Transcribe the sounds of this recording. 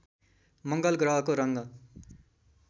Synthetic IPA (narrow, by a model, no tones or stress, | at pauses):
mʌŋɡʌlɡrʌɦʌkoɾʌŋɡʌ